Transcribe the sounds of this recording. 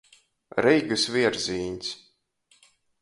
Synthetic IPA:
ɾɛjɡɨsviɛɾziːɲʲs

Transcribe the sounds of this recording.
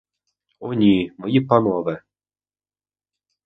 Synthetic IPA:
ɔnʲimɔjipanɔʋɛ

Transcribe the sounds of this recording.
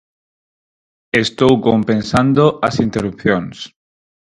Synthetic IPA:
est̪owkompẽnsand̪oʔɐsint̪eɾup̚θjons

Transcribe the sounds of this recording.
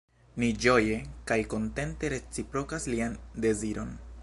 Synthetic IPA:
nid͡ʒo̞je̞kajko̞nte̞nte̞ɾe̞t͡sipɾo̞kasliande̞ziɾo̞n

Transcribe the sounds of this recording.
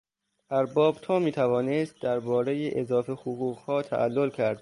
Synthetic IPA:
ʔæɾbɒːbt̪ʰɒːmiːt̪ʰævɒːnest̪̚d̪æɾbɒːɾejeʔezɒːfehoɣuːɣhɒːt̪ʰæ̰ʔælːolcʰæɾd̪̥̚

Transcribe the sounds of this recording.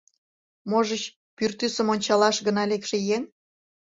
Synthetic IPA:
moʒət͡ɕ | pyrt̪ysə̆monʲt͡ɕɑlɑʃɣə̆nɑlekʃĕjeŋ

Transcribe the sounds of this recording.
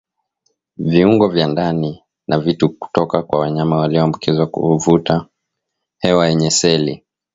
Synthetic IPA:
viuŋɡɔvjandani | navituku̥tɔkakwawaɲamawaliɔambukʰizwakṵuvuta | hɛwajɛɲɛsɛli

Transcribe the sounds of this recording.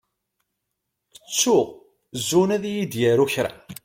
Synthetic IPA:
ət͡sːuʁ | zːunæðjid̪jæɾuçɾæ̰

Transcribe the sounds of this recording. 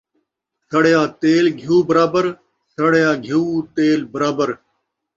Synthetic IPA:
sɐɽjãːt̪eːlɡʱjuːbəɾaːbəɾ | sɐɽjãːɡʱuːt̪eːlbɐɾaːbəɾ

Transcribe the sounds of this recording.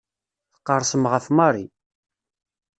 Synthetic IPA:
θə̥qːəɾˤsəmʁəfmɑɾˤi

